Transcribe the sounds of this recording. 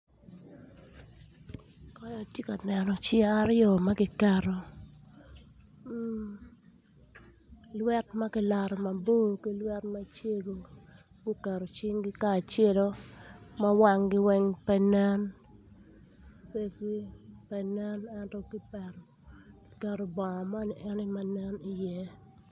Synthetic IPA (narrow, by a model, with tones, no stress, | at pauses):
kɔ˦jɔ˨tje˦ka˨nɛ˨nɔ˨t͡ʃɪ˦a˦ɾjɔ˨ma˦ɡɪ˦kɛ˨ɾɔ˨˦ | lwɛ˦tma˦kɪ˦la˨ɾɔ˨ma˨bo˦ki˦lwɛ˦tma˦t͡ʃe˦ɡo˨ | ɡu˦kɛ˨ɾo˨t͡ʃi˦ŋɡi˦ka˦˨t͡ʃje˦lo˦ma˦wa˦ŋɡɪ˦wɛ˦ŋpɛ˦nɛ˦n | pe˦si˦pɛ˨nɛ˦nɛ˦ntɔ˦ki˦pɛ˨ɾɔ˨ | kɪ̥˨kɛ˨ɾo˨bɔ˨ɔ˨ma˦ni˨ʔɛ˦nɪ˦ma˨nɛ˦ni˨jɛ˦